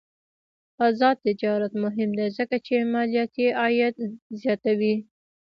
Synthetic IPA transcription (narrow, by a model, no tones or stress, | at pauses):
ɑzɑd̪̚t̪ːɪd͡ʒɑɾat̪mʊɦɪmd̪ezəkat͡ʃemɑlijat̪eʔɑjat̪zjɑt̪awi